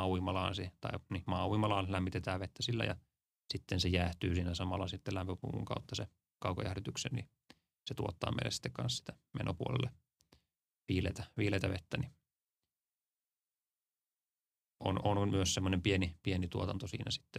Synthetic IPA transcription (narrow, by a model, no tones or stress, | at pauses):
uimɑlɑ̰ːnsit̪ɑ̰inimɑːuimɑlɑːnlæmːit̪et̪æːʋʋet̪ːæsilːæ̰jɑ̰ | sit̪ːensejæːht̪yːsiːnæsɑmɑlːɑsit̪ːelæmpøpṵŋkṵŋkɑut̪ːɑse | kɑukojæhrit̪yksḛnni | set̪uot̪ːɑ̰ːmḛilḛsi̥t̪ːekkɑ̰nssi̥t̪æ̥mḛnʔopuolḛlːe | ʋiːlḛt̪æʋiːleit̪ɑʋet̪ːæni | ʔo̰nonmyøssemːonempienipienit̪uot̪ɑnt̪osḭːnæsi̥t̪ːe